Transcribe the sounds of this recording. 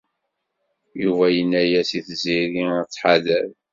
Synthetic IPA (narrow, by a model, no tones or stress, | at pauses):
juvæjənːæjæsiθziɾit͡sːħaðæð